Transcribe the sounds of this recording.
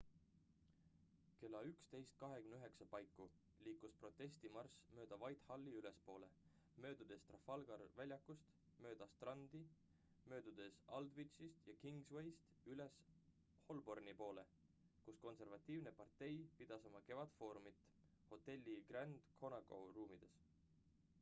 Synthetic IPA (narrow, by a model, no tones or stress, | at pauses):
ke̞lːɑykst̪e̞jst̪̚kɑɦekymnyɦeksɑpɑjkːˑu | liːkːˑuspro̞t̪ːˑe̞sʲt̪imɑrsmø̞ːd̪̥ɑvɑjt̪hɑlːiyle̞spo̞ːle̞ | mø̞ːd̪̥ud̪̥e̞st̪rɑfɑlɡ̥ɑɾvælʲjɑkːˑust̪ | mø̞ːd̪̥ɑst̪rɑnd̪̥i | mø̞ːd̪̥ud̪̥e̞sɑld̪vit͡ʃist̪jɑkiŋɡswe̞jst̪ | yle̞s | ho̞lbo̞rnipo̞ːle̞ | kusko̞nse̞rvɑt̪ːˑiːvnepɑrt̪ːe̞jpid̪̥ɑso̞mɑke̞vɑt̪fo̞ːɾumit̪ːˑ | ho̞t̪ːe̞lʲːiɡ̥rænd̪̥kʰo̞nɑko̞̰ruːmid̪̥e̞s